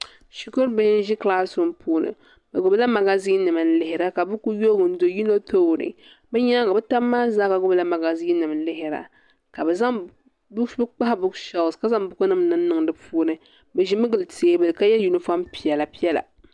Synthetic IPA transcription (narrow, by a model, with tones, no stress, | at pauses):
ʃi˦kʊ˦ɾbɛ˦hɪ˦n̩˦ʒi˦kla˦sʊ˨m˦puː˨˦nɨ̰˨ | bɛ˨ɡʊ˨bla˦ma˨ɡa˦ziː˦nɨ˨mɨ˨n̩˦lɪ˨hɪ˨˦ɾa˦ka˨bʊ˦ku˦jo˦ɡɨ˨n̩˦do˨ji˦no˦to˦˨ɾɨ̰˨ | bɛ˦ɲa˦ka˨bɛ˦ta˦mːaː˦zaː˦ka˨ɡʊ˦bla˦ma˨ɡa˨zi˦nɨ˨m˨˦lɪ˦ɦɪ˨ɾa̰˨ | ka˨bɛ˨za˦ŋ | bbɨ˦k͡pa˦hbʊ˨˦kʃa˨˦˨ska˦za˦ŋbʊ˦kʊ˦nɨ˦mnɨ˦m˦nɨ˨ŋdɨ˨puː˦nɨ˦ | bɛ˨ʒi˦mɨ˦ɡɨ˨lteː˨bɨ˨lka˦jɛ˦lju˨nɨ˦fa˦mpi˨ɛ˨la˨pi˦ɛ˦la̰˨